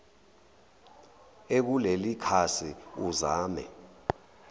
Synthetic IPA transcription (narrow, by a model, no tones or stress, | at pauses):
ek̬ulelikʰasiuzaːmɛ̰